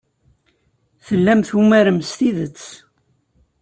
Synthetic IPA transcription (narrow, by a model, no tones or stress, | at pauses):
θəlːæmθumæɾəmst̪iðət͡sː